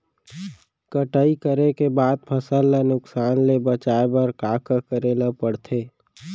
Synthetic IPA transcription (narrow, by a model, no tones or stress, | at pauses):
kəʈəikəɾekebaːd̪̚pʰəsəlːenʊksaːnlebət͡ʃaːebəɾkaːkəkəɾeːləpəɽt̪ʰeː